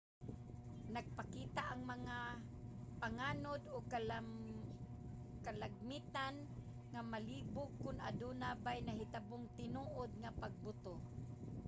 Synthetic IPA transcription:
naɡ̚pakiːt̪aʔaŋmaŋa | paŋaːnod̪o | kalaɡ̚miːt̪an | ŋamaliːbʊkːʊna̰d̪unabajnaɦɪt̪abʊŋt̪ɪnuːʔod̪̚ŋapaɡ̚bʊt̪o

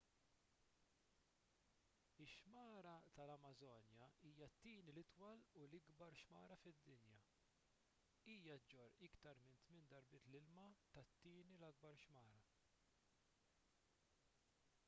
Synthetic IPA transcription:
ɪʃmɐːɾɐt̪ɐlɐmɐzɔːnjɐiːjɐt̪ːiːnilɪt̪wɐlulɪɡbɐɾʃmɐːɾɐfɪd̪ːɪnjɐ | iːjɐd͡ʒɔɾɪkt̪ɐɾmɪnt̪mɪnd̪ɐɾbɪːt̪lɪlmɐt̪ɐt̪ːiːnilɐɡ̚bɐɾʃmɐːɾɐ

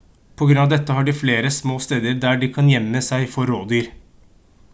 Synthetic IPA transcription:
pʰɔɡɾʉnɑʋd̪ɛt̪ːəɦɑɖɪfleːɾəsmoːst̪eːd̪əɾd̪æːɖɪkʰɑnjɛmːəsæɪfɔɾːoːd̪yːɾ

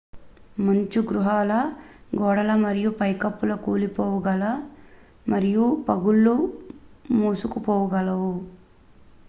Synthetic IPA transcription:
mɐɲt͡ʃuɡɾuɦaːlɐɡɔːɽɐlɐmɐɾijupɐjkɐpːulɐkuːlipɔːwɐɡɐlɐ | mɐɾijupɐɡulːu | muːsukupɔːwɐɡɐlɐwu

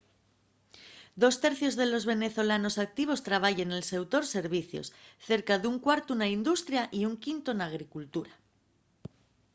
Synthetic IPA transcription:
d̪o̞st̪e̞ɾθjo̞zðe̞lo̞zβe̞ne̞θo̞lano̞sak̚t̪iβ̞o̞st̪ɾaβ̞aʝenelse̞wt̪o̞ɾse̞ɾβiθjo̰sθe̞ɾkaðuŋkwaɾt̪unaind̪ust̪ɾjaʔiuŋkint̪onaɣ̞ɾikult̪uɾa

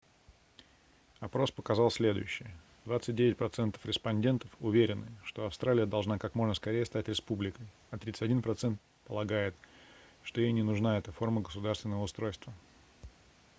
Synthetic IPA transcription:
ɐpɾo̞spəkɐzɑlˠsʲlʲe̞d̪ʊ̰jʉɕːɪjə | d̪vat̪sɨt̚ʲdʲevɪt̚ʲpɾɐt̪sɛnt̪ə̥fɾʲɪspɐnʲdʲe̞nt̪əfʊvʲeɾʲɪnːɨʂt̪o̞ɐfst̪ɾalʲɪjəd̪ɐlˠʐnakakmo̞ʐnəskɐɾʲejəst̪atʲɾʲɪspublʲɪkəj | ɐt̪ɾʲit̪sɨ̥tʲɐdʲinpɾɐt̪sɛnt̪ | pəlˠɐɡajɪt̪ | ʂt̪o̞jejnʲɪnʊʐnaɛt̪əfo̞rməɡəsʊd̪arst̪vʲɪnːəvəʊst̪ɾo̞jst̪və

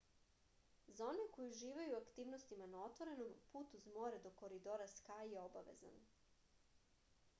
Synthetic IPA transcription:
zao̞ne̞ko̞juʒiːʋajuakt̪iːʋno̞st̪imanao̞t̪ʋo̞ɾe̞no̞mpuːt̪uzmo̞ːɾed̪o̞ko̞ɾid̪o̞ɾaskaːjeobaʋe̞̰za̰n

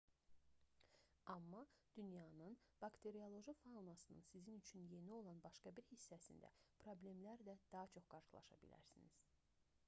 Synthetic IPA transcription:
ɑmːɑd̪̥ynjɑnɯnb̥ɑkt̪ʰe̞ɾiolˠo̞ʒɯfanɑsɯnɯ̰nsizinyt͡ʃʰynje̞nio̞lˠɑnbɑʃkɑbiɾhisːæsḭnd̪æ̰pʰɾo̞blʲe̞mlæɾdæd̪̥ɑɦɑt͡ʃʰo̞χɡ̥ɑɾʃɯlˠɑ̰ʃɑ̰bḭlæ̰ɾsinḭz̥

